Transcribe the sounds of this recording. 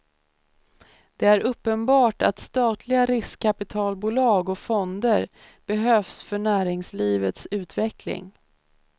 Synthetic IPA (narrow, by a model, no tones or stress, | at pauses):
d̪̥ɛæɾɵpːənbɑːʈa̰t̪st̪ɑːt̪ʰlɪɡaɾɪskʰːapɪt̪ʰɑːlbuːlɑːɡɔfɔnd̪əɾ | b̥ɛɦøːfsfœɳæːɾɪŋsliːvət̪sʉ̟ːt̪vɛklɪ̰ŋ